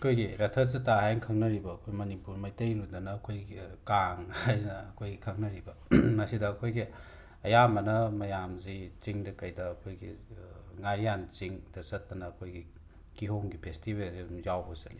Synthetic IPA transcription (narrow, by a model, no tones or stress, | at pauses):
ɐkʰojɡiɾɐtʰɐzɐtaɦajnɐkʰɐŋnɐɾibɐːkʰojmɐnipuɾmɐjtɐjludɐnɐːkʰojɡikaŋhajnɐːkʰojɡikʰɐŋnɐɾibɐ | mɐsidɐːkʰojɡi | ɐjamɐnɐmɐjamzit͡ʃiŋdɐkɐjdɐːkʰojɡiŋaɾijant͡ʃiŋd̥ɐsɐtːɐnɐːkʰojɡi | kiɦoŋɡipʰestibelzzawbɐsɐli